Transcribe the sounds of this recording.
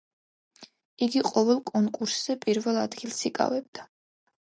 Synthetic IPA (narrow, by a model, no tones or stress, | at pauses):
iɡiqʼɔvɛlˠkʼɔŋkʼuɾsz̥ɛpʼiɾvɛlˠad̪ɡilˠsikʼa̰vɛb̚d̪̥a